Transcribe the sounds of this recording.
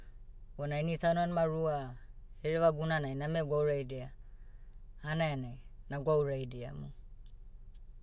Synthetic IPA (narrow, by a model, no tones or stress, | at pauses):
ɔnainisananmaɾuaheɾeβaɡunanajnameɡwawɾajdia | anajanajnaɡwauɾajdia̰mṵ